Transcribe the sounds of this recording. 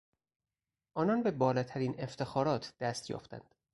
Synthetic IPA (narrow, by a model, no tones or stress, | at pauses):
ʔɒːnɒːnbe̞bɒːlɒːt̪ʰæɾiːne̞ft̪ʰe̞xɒːɾɒːt̪ʰd̪̥æst̪jɒ̰ːft̪æ̰nd̪̥